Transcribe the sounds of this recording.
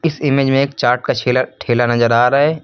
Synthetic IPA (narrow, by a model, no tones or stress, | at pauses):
ɪsɪmeːd͡ʒmẽeːk̚t͡ʃaːɾʈ̚kat͡ʃʰeaʈʰeːlanɐzəɾaːɾaɦeː